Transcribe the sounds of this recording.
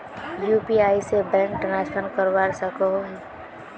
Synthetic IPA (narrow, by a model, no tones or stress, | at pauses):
juːpiaːisebɛ̃ːŋk̚ʈənaːʃənkəɾʋaːɾsəko